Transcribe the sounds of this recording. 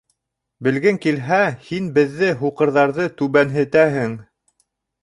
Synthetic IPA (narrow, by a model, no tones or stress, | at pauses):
bɘ̆lɡɘŋkilɦæhinbɘ̆ðːɘɦuqɤ̆ɾðɑɾðɤt̪ʉβænɦɘ̆t̪æɦɘŋ